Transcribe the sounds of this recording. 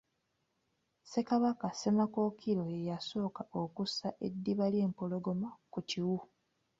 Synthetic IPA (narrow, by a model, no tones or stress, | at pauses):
se̞kaβakase̞mako̞kʰiɾo̞ejaso̞ːkaokusaʔe̞dːiβaljeːmpo̞lo̞ɡo̞makuciwu